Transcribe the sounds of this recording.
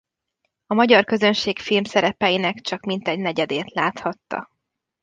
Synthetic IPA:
ɒmɒɟɒrkø̞zø̞nʃeːkfilmsɛɾɛpɛjinɛkt͡ʃɒkmint̪ɛɟnɛɟɛd̪eːt̪laːt̪hɒt̪ːɒ̰

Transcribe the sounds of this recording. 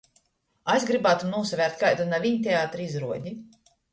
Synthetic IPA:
asʲɡɾibaːt̪umnuɔsavʲæːɾt̪̚kajt̪unavʲiɲt̪ʲeaːt̪ɾizɾuɔɟʲi

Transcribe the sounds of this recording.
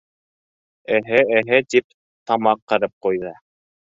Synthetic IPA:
ɘ̆ɦɘɘ̆ɦɘt̪ip̚ | t̪ɑmɑqːɤ̆ɾɤp̚qujðɤ

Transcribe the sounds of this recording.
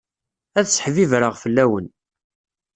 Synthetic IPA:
æθsħvivɾəʁfəlːæwən

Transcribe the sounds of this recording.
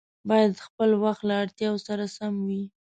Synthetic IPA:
bɑjad̪xpəlwaxt̪laːɽt̪jɑwsaɾasamwi

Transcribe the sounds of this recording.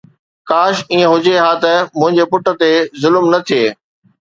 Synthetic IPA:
kaːʃiːə̃ɦʊd͡ʑeɦaːt̪ɐmʊ̃ɦɪ̃ɲd͡ʑepʊʈə̆t̪ezʊlmnɐt̪ʰieː

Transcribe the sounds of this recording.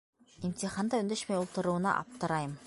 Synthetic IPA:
inʲt̪ʲiχɑnd̪ɑɵ̆nd̪ɘʃmæjulˠt̪ɤ̆ɾŭwɤ̆nɑ̰ʔɑ̰p̚t̪ɤ̆ɾɑjɤm

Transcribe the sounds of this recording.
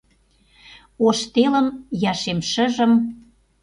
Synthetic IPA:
oʃt̪elə̆mjɑʃemʃə̆ʒə̆m

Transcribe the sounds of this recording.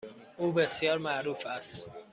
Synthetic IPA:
ʔuːbesjɒːɾmæʔɾuːfæst̪

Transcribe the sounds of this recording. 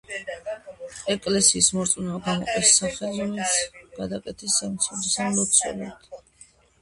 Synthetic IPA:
ɛkʼlɛsiːsmɔɾt̪sʼnaɡamɔ̰qʼisːaχɛlɾɔmɛlit̪sʰɡ̥ad̪akʼɛt̪ʰisːamt̪sʰɛdisamlɔt̪sʰɔ̰la̰d̪̥

